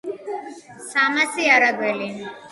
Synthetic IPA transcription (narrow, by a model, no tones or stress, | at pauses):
samasiaɾaɡwɛli